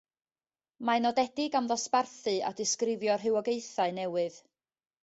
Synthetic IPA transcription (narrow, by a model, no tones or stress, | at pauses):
manɔdɛdɪɡamðɔsparθɨa̰dɪskrɪvjɔr̥ɦɨwɔɡejθaɨnɛwɨð